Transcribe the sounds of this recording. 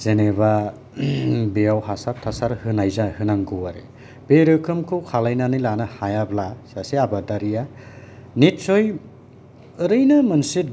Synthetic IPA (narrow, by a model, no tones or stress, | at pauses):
z̥eneβa | bejawhasap̚tʰasaɾhɯnajzahɯnaŋɡɯwaɾḛ | b̥eɾɯkʰɯmkʰɯwkʰalajnanɯjlanɯhajablasaseabadaɾija | nit̚soj | ɯɾɯjnɯmɯnsit̚